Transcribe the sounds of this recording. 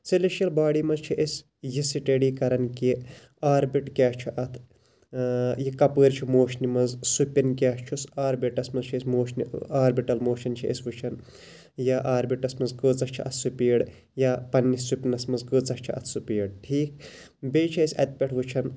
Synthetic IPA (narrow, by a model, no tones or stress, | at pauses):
siliʃjɐlbaːɽiːmɐzt͡ʃʰiʔesʲ | jisiʈeɽiːkɐɾɐnki | aːɾbiʈkʲaːt͡ʃʰiʔɐt̪ʰ | jikɐpəːɾt͡ʃʰimoːʃnimɐzsupʲinkʲaːʃt͡ʃʰusaːɾbiʈɐsmɐzt͡ʃʰiesʲmoːʃniaːɾbiʈɐlmoːʃɐnt͡ʃʰiḛsʲʋɨt͡ʃʰɐn | jaːʔaːɾbiʈɐsmɐnzɡəːt͡sɐt͡ʃʰḭɐt̪ʰsupʲiːɽ | jaːpɐnːisupʲnɐsmɐzɡəːt͡sɐʃt͡ʃʰiɐ̰t̪ʰsupʲiːɽʈʰiːk | beːt͡ʃʰiɐsʲɐt̪̚ʲpʲɐʈʰʋɨt͡ʃʰɐn